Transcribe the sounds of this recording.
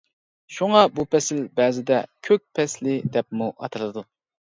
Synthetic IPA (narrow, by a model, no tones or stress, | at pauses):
ʃuŋɑbupɛsɪlbɛːzɪd̪ɛkʲʰøk̚ʲpʰɛslɪd̪ɛpmuʔɑ̰t̪ʰɨlˠɨd̪u